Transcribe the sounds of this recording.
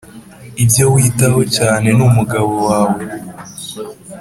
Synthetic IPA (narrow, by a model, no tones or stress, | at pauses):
ibjo̞witaho̞caːne̞numuɡaβo̞waːwo